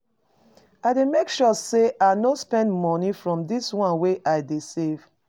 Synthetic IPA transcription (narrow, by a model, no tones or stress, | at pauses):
ademekʃuseʔaɪnospɛ̃ndmɔnifɹɔ̃mdiswɔ̃nweʔaɪdesev̥